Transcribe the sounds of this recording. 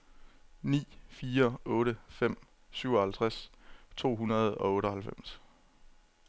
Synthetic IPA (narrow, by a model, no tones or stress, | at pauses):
nḭːfiːɐɔ̽ːɾəfem̰ | syʊɒ̽hælt͡sʰʁast͡sʰo̝̰ːɦunɐð̞ˠɒ̽ɔ̽ːɾəɦhælfem̰s